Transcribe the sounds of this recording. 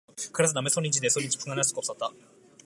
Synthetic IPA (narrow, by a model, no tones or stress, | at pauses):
kɯɾasɨd̪amesoɲʲĩɲt͡ɕid̪esoɾʲĩɲt͡ɕi̥pʰɯŋɡanasɨ̥kopsat̪ːa